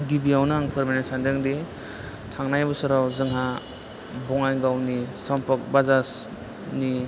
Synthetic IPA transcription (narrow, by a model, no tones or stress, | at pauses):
ɡibiawnaŋpʰɯɾmajnasandɯŋdi | tʰaŋnajbɯsɯɾawzɯŋɦa | bɔŋajɡawnisɔmpʰɔk̚bazas | ni